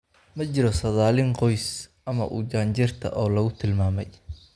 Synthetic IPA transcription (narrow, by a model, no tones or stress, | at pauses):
mɐt͡ʃɪɾɔsɐðaːlɪŋqɔjs | ɐmɐ̰ʔṵd͡ʒaːɲt͡ʃɪrt̪ʰɐ̰ʔɔːlɐɣʊt̪ʰɪlmaːmɛj